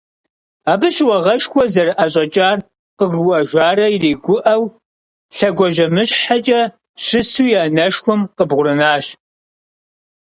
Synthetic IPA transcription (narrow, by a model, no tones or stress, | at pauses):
aːbɨɕwɐʁɐʃxʷɔzɐrʔɐɕ̬ʼɐt͡ʃʼaːr | qəɡwɐʒʷaːɾɐjreːɡʷʊʔɐw | ɬɐɡʷɔʒɐmɨɕħat͡ʃʼɐ | ɕɨsuːjaːnɐʃxʷʊmqəbʁʷʊɾɨnaːɕ